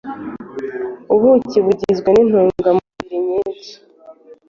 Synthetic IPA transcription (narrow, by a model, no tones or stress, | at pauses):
uβuciβuɟizɡwenin̥uːɡamuβiɾiɲet͡si̥